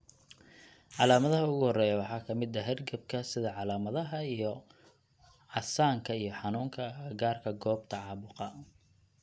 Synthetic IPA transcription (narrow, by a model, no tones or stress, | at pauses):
ʕɑlaːmɐðɐɦɐʊɣʊhɔrɛːjɐwɑħɑːkʰɐmɪd̪ɐɦɛrɡɐb̚kʰɐsɪðɐʕɑlaːmɐðɐɦɐijɔ | ʕɑsaːŋkʰɐijɞħɑnuːŋkʰɐɡaːrkʰɐɡɔːb̚t̪ʰɐʕɑːβʊqɑ